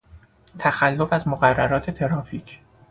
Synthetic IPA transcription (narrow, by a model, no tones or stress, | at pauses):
t̪ʰæxælːo̞fæzmoɣærːæɾɒːt̪ʰe̞t̪ʰe̞ɾɒːfiːcʰ